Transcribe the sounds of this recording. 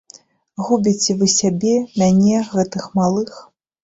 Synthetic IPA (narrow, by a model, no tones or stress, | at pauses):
ɣubʲit͡sʲɛvɨsʲabʲɛmʲanʲɛɣɛt̪ɨxmalˠɨx